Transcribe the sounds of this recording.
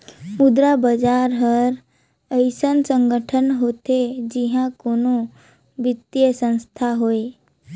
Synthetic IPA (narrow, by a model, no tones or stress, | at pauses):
mʊd̪ɾabəd͡ʒaɾɦəɾ | əɪsənsə̃ŋɡəʈʰənɦot̪ed͡ʒiɦãkono | ʋɪt̪ːjəsə̃nst̪ʰaɦoe